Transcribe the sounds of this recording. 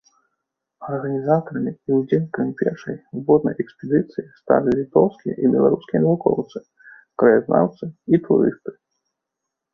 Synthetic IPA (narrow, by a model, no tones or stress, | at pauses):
ɐrɣɐnʲizat̪ɐɾɐmʲiiwd͡zʲenʲkɾɨmʲpʲɛrʂɐjbɔd̪̚nɐ̰jɛkspʲɛd̪ɨt̪sɨjist̪a̰lʲilʲit̪ɔwskʲijɛ̰ʔibʲɛlˠa̰ɾuskʲijɛnɐvukɔ̰wt̪sɨ | kɾɐjaznʔa̰wt̪sɨit̪ṵɾɨ̰st̪ɨ̥